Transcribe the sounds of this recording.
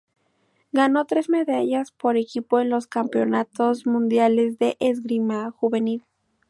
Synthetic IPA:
ɡano̞t̪ɾe̞zme̞ðaʝaspo̞ɾe̞kipo̞e̞nlo̞skampeo̞nat̪o̞zmũnd̪jale̞zðeʔezɡɾimaxuβe̞nil

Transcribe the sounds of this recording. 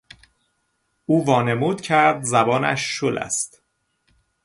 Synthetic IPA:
ʔuːvɒːne̞muːd̪̥cʰæɾd̪zæbɒːnæ̰ʃːolʔæ̰st̪

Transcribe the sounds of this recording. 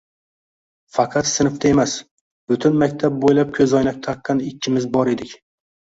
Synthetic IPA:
fɑqʰɑt̪sɪnɪft̪ʰae̞mas | b̥ʊt̪ʰʊnmakʲt̪ʰap̚bojlap̚kʲʰɵzɒjnak̚ʲt̪ʰɑqːɑnɪkʲʰːɪmɪzbɒɾe̞d̪ɪkʲ

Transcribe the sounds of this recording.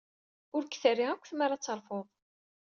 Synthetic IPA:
ʊɾkːθərːiʁækʷːθmaɾat͡sːəɾˤfoðˤ

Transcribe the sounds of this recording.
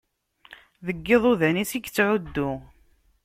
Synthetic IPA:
ðəɡːeðˤuðænisiɡt͡sːʕud̪ːʊ

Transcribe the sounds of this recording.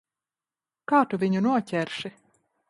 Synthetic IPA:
kaːt̪uvʲiɲunuɔcʲɛɾʃi

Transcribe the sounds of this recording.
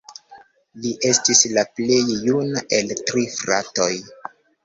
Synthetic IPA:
liʔe̞stislaple̞jːunaʔe̞ltɾifɾa̰to̞j

